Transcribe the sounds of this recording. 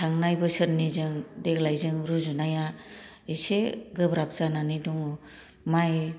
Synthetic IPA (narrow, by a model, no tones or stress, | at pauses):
tʰaŋnajbɯsɯɾnizɯŋdeɡlajzɯŋɾuzunaja | eseɡɯbɾap̚z̥ananidɔŋ | maj